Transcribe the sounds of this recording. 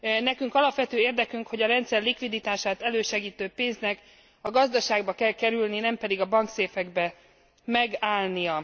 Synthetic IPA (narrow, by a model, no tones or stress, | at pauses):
nɛkyŋkɒlɒpʋɛt̪øːeːrd̪ɛkyŋkho̞ɟɒɾɛnt̪sɛrlikʋid̪it̪aːʃaːt̪ɛløːʃɛɡiːt̪øːpeːnznɛk | ɒɡɒzd̪ɒʃaːɡbɒkɛlkɛɾylninɛmpɛd̪iɡɒbɒŋkseːfɛɡbɛ | mɛɡaːlnijɒ